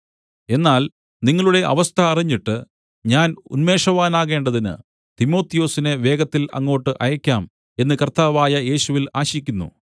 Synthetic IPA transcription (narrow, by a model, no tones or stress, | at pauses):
e̞nːaːl | niŋːɐɭuɽe̞ʔɐ̰ʋɐst̪ʰɐːriɲːiʈːɨ | ɲaːnṵnme̞ːʂɐʋaːnaːɣe̞ːɳɖɐðinɨ̰ | t̪imo̞ːt̪ːijo̞ːsine̞ʋe̞ːɣɐt̪ːilɐ̰ŋːo̞ːʈːɨʔɐjɐkʲːaːm | e̞nːɨkɐrt̪aːʋaːjɐje̞ːɕuʋilaːɕikʲːunːṵ